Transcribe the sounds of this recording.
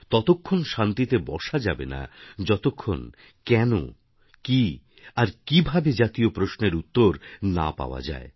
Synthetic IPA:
t̪ɔt̪okʰːonʃant̪it̪ebɔʃad͡ʑabḛna̰d͡ʑɔt̪okʰːo̰n | kɛno̰ | ki | aɾkibʱabed͡ʑat̪iopɾosneɾut̪ːoɾna̰pa̰oa̰d͡ʑa̰e

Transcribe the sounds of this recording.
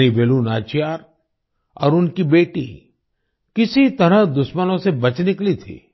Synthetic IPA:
niʋeːlunaːt͡ʃijaːɾ | ɔ̰ːɾʊnkibeːʈḭ | kɪsit̪ɐɾəɦd̪ʊʃmənõsebɐt͡ʃnɪklit̪ʰḭː

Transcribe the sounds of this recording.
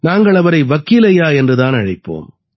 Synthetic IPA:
naːŋɡɐɭɐʋɐɾɐɪʋɐkːiːlɐjaːɛndrɯðaːnɐɻɐɪpːo̰ːm

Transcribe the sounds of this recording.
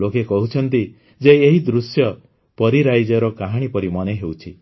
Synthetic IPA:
okekɔɦut͡ʃʰɔnt̪i | d͡ʒeːɦid̪ɾusjɔ | pɔɾiɾajd͡ʒɔɾɔkaɦaɽ̃ipɔɾimɔneɦewt͡ʃʰi

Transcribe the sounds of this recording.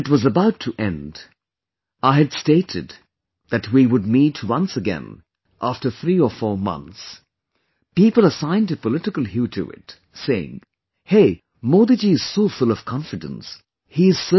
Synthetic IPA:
ɨt̚wʌzəbaʊtʰɨʔɛ̃nd | aɪɨdsteɪɾɨd̪̚ | ðɨt̚wiwəd̚mitʰwʌ̃nsəɡɛ̰̃n | ʔæftə˞θɹiəfɔɹmʌ̰̃nθs | pipəl̩ˠəsãɪ̃ntɨpəlɪɾɨkəl̩ˠɦʉtʰɨ̰ɪ̰t | seɪɪ̰̃ŋ | heɪ | mod̪ɨd͡ʒiɨz̥soʊfʊlˠʌv̥kʰɑ̃ɱfɨdə̰̃ns | hiɨz̥sə

